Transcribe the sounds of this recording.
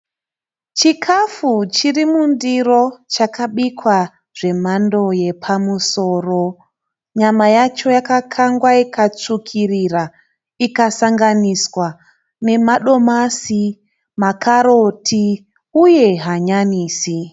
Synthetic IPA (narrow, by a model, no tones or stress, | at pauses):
t͡ʃikʰafut͡ʃirimundiro̞t͡ʃakaɓikwa | ʐ̥e̞mando̞je̞pʰamuso̞ːro̞ | ɲamajat͡ʃo̞jakakʰaŋɡwaikʰat͡sukʰirira | ikasaŋɡaniswa | ne̞maɗo̞masi | makaɾotʰi | uje̞ɦaɲaniːsi